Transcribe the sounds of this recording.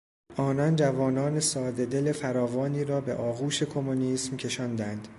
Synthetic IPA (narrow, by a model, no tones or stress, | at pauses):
ʔɒːnɒnd͡ʒævɒːnɒːne̞sɒːd̪e̞d̪e̞le̞fæɾɒːvɒːniːɾɒːbe̞̰ʔɒːɣuːʃe̞kʰo̞moniːsmcʰe̞ʃɒnd̪ænd̪̥